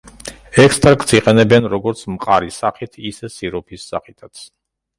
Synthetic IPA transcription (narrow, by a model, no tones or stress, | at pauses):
ɛkʰst̪ʼɾakt̪sʰiqʼɛnɛbɛnɾɔɡɔɾt̪sʰmqʼaɾisaχit̪ʰisɛsiɾɔpʰisːa̰χit̪ʰat̪sʰ